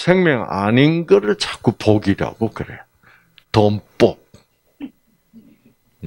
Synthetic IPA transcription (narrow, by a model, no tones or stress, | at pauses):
sʰeŋmjʌŋa̰ninɡʌɾɯɭt͡ɕak͈upʰoɡiɾa̰ɡokɯɾḛjo | tomp͈op̚